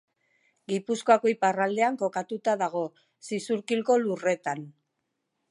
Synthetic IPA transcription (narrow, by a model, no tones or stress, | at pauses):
ɡipuskoako̞iparald̪e̞aŋko̞kat̪ut̪aðaɣ̞o̞ | sisuɾkilko̞lure̞t̪an